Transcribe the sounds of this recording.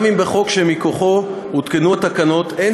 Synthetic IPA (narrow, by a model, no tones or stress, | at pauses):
mimbeχo̞kʃemikoχo̞ | hut̪kenuat̪akano̞t̪e